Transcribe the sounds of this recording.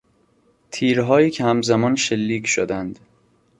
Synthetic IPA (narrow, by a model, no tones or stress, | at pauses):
t̪ʰiːɾɦɒːjiːcʰehæmzæmɒːnʃelːiːcʰʃod̪ænd̪